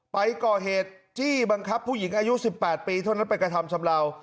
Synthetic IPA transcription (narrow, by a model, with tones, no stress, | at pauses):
pa˧jkɔː˨˩ɦeː˨˩t̪̚t̪ʰːiː˥˩ba˧ŋkʰa˦˥pʰːu˥˩ji˩˦ŋʔaː˧ju˦˥si˨˩pːɛː˨˩t̪̚piː˧t̪ʰa˥˩wna˦˥npe˧nkɾa˧t̪ʰa˧mt͡ɕʰa˧mlaː˧w